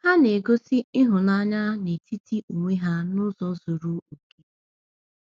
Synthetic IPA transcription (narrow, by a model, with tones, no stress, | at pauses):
ha˦ne˨ɡo˦si˦ɪ˦ɦʊ˨na˦ɲa˦ne˨ti˦ti˦u˨ŋʷe˦ɦa˦nʊ˦zɔ˦zo˨ɾu˦u˨ke̥˦